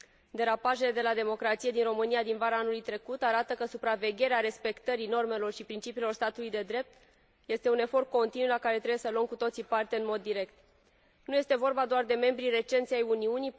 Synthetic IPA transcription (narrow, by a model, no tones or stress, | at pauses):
d̪e̞ɾapaʒe̞le̞d̪e̞lad̪e̞mo̞kɾat̪sije̞d̪inro̞mɨnijad̪invaɾaanulujt̪ɾe̞kut̪aɾat̪əkəsupɾave̞ɡʲe̞ɾeaɾe̞spe̞kt̪əɾino̞rme̞lo̞rʃipɾint͡ʃipiːlo̞rst̪at̪ulujd̪e̞d̪ɾe̞p̚t̪ | je̞st̪e̞une̞fo̞rt̪̚ko̞nt̪inulakaɾe̞t̪ɾebuje̞səluəmkut̪o̞t̪sipart̪eɨnmo̞d̪ːiɾe̞kt̪ | nuje̞st̪e̞vo̞rbad̪oard̪e̞me̞mbɾire̞t͡ʃe̞nt̪siajuniuni